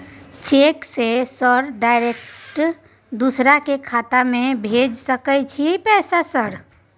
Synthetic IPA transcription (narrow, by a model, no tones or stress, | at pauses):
t͡ʃeksesəɾɖajɾekʈ | d̪usɾakekʰat̪amebʱed͡ʒsəkət͡ʃʰipɛsasəɾ